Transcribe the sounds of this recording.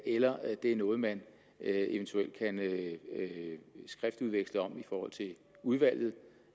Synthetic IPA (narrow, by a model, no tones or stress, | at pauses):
elɐd̥e̝æɐnɔ̽ːð̞̩ˠmæn | e̝ʋənt͡sʰuel̰d̥̚kʰæn | sɡ̥ʁɛfd̥uð̞ˠʋeɡ̥sləɒ̽mifɒːhɒ̽l̰t͡sʰe̝ | uð̞ˠʋæl̰jð̞̩ˠ